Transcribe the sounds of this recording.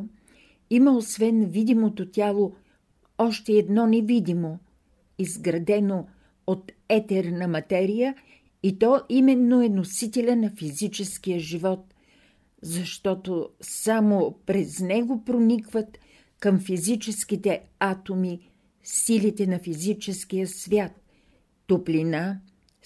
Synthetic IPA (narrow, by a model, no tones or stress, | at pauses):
iməosvɛnvid̪imot̪ot̪ʲjalˠo | ɔʃt̪ɛːd̪nɔnɛvid̪ʲimo | izɡɾɐd̪ɛno | ot̪ | ɛt̪ɛɾnəmɐt̪ɛɾijə | it̪ɔʔimɛnːoɛnosit̪ɛlʲənɐfizit͡ʃɛskijəʒivɔt̪̚ | zɐʃt̪ɔt̪osamopɾɛznɛɡopɾonikvət̪ | kəmfizit͡ʃɛskit̪ɛ | at̪omi | silit̪ɛnɐfizit͡ʃɛskijəsvʲjat̪ː | oplina